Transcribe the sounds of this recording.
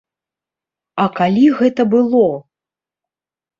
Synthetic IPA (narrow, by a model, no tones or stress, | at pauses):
ɐkalʲiɣɛt̪ɐbɨlˠɔ